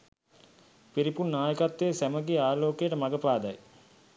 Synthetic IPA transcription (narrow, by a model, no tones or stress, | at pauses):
piɾipunːaːjəkat̪ːeːsæməɡeaːloːkejəʈəmaɡəpaːd̪ɐj